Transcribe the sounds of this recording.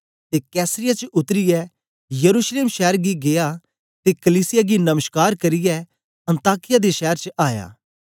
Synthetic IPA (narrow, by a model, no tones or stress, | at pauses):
t̪eːkɛːsəɾɪjat͡ʃəʊt̪ɾɪjɛ | jɐɾuːʃleːmʃɛːɾɡiɡeja | t̪ekɐliːsɪjaɡinɐməʃkaːɾkɐɾɪjɛ | ɐ̃nt̪aːkɪjad̪eʃɛːɾt͡ʃəaːja̰ː